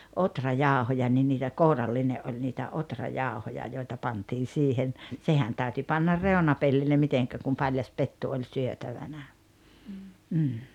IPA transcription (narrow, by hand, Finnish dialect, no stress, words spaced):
otrɑjɑˑohojɑ ni niːtæ kourɑlːineʔ ʔolʲ niːtæ otrɑjɑˑohojɑ joitɑ pɑntiːn̞ siːhen sehæn tæˑyty pɑnːɑr reonɑpelːilːe miteŋkæ kum pɑlʲjɑs petːu olʲ syøtæʋænæ m̩ː